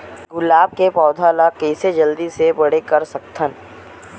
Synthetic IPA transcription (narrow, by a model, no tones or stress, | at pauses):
ɡʊlaːb̚kepɔːd̪ʱaːlakɛːsed͡ʒɐld̪isebɐɽekɐɾsɐk̚t̪ʰən